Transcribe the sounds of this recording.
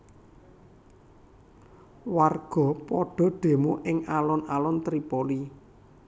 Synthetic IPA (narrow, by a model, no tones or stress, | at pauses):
warɡ̥ɔ̤pɔɖ̥ɔ̤ɖ̥e̤moʔɪŋalɔnalɔnt̪ɾipɔli